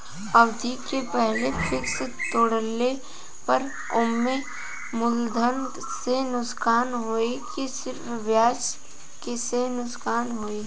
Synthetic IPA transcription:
ɐʋd̪ʱikepɛɦlefʰɪkst̪oːɽəlːe | pɐɾ | ʊmːe | mʊld̪ʱən | senʊskaːnɦoːekisɪɾfʋjaːt͡ʃ | kesenʊskaːnɦoːeː

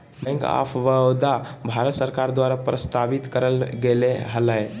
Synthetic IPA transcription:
bɛ̃ŋka̰fʋəwd̪abʱaɾət̪səɾkaɾd̪waɾapɾəst̪aʋit̪kəɾəlɡeleɦələj

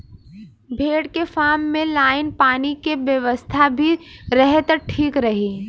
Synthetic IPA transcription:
bʱeːɽkefaːɾmːẽlaːɪnpaːnikeʋjəʋəst̪ʰabʱiɾɛɦet̪ɐʈʰiːkɾɐɦiː

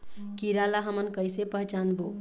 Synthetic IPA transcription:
kiɾalaɦəmənkəjsepəɦt͡ʃanbo

